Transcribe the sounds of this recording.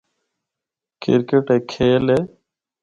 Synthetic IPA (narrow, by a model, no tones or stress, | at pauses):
kɪ̰ɾkeʈeːkʰeːleː